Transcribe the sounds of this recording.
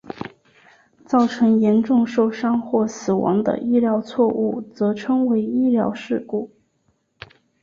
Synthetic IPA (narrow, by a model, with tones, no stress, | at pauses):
t͡sɑ˥˩ʊʈ͡ʂʰɤ˧˥ŋjɛ˧˥nʈ͡ʂʊ˥˧ŋʂo˥˩ʊʂɑ˥ŋxwɔ˥˩sɹ̩˨˩wɑ̰˧˥ŋd̪ə̰˧ʔi˥ljɑ˧˥ʊt͡sʰwɔ˥˧u˥˩t͡sɤ˧˥ʈ͡ʂʰɤ˥ŋwe˧˥ɪi˥ljɑ˧˥ʊʂɻ̩˥˧ku˥˩